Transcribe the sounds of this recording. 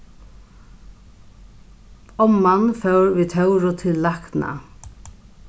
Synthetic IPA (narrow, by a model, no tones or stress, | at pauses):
ɔmːanfœwɾʋiːt̪ʰœwɾʊt̪ʰɪlːakna̰